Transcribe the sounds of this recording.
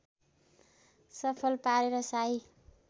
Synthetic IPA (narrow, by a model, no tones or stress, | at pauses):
sʌpʰʌlpaɾeɾʌsaj